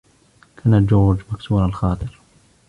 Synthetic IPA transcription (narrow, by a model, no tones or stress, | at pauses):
kʰanad͡ʒoːɾd͡ʒmaksuːnalxɑːt̪ˤɨɾ